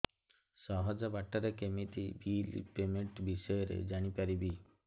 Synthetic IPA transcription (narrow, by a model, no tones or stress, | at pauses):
ʃɔɦɔd͡ʒabaʈːaɾekemit̪ibilḭpemeɳʈbiʃɔjɔɾḛd͡ʒaɽ̃ipaɾibi